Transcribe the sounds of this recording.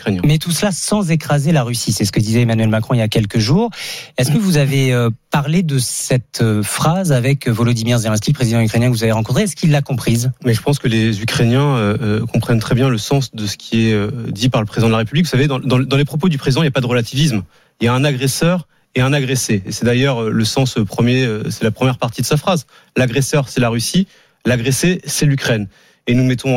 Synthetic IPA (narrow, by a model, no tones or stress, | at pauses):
ykχenjɛ̃mɛt̪usəlasɑ̃zekχazelaʁysisɛsə̥kəd̪izɛemanɥɛlmakχɔ̃iljakʲɛlkəʒuːʁɛskəvuzaveøpaʁled̪əsɛt̪øfχazavɛkvɔlɔd̪imiʁzeʁɛ̃sk̪ʲiləpχezid̪ɑ̃ykχenjɛ̃kəvuzaveʁɑ̃kɔ̃t̪χeɛskilːakɔ̃pχizmɛʒəpɑ̃skəlezykχenjɛ̃økɔ̃pχɛnt̪χɛbjɛ̃ləsɑ̃sd̪əsə̥kʲʰiɛød̪ipaʁləpχezid̪ɑ̃d̪laʁepyblikvusaved̪ɑ̃d̪ɑ̃d̪ɑ̃lepχɔp̬od̪ypχezid̪ɑ̃iljapad̪əʁəlat̪ʰivis̬m | iljaɛ̃naɡʁesœʁ | eɛ̃naɡʁeseːsɛd̪ajœʁøləsɑ̃səpχəmjeøsɛlapχəmjɛʁpaʁt̪id̪əsafχaz | laɡʁesœʁsɛlaʁysi | laɡʁesesɛlykχɛn | enumɛt̪ɔ̃